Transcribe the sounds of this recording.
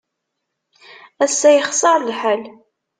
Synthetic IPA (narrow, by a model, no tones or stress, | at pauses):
æsːæjəχsˤɑɾˤlħal